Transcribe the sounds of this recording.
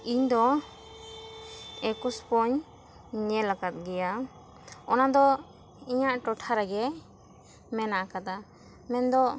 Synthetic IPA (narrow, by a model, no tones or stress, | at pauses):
iɲd̪ɔ | ɛkuspɔɲ | ɲɛlakat̪̚ˀɡɛja | ɔnad̪ɔ | iɲaʔʈɔʈʰaɾɛɡɛ | mɛnaʔakad̪a | mɛnd̪ɔ